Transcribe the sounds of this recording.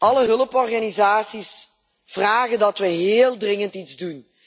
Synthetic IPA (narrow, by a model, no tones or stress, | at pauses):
ʔɑləɦɵləpɔrɣanizaːsis | v̥raːɣəndɑtʋəɦeːlˠdrɪŋəntidzdun